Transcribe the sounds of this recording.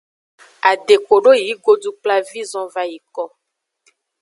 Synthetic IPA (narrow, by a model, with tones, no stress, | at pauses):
a˨ɖe˨ko˨ɖo˦ji˨˦ɡo˦du˦k͡pla˦vi˦zɔ̃˦va˦ji˨kɔ˦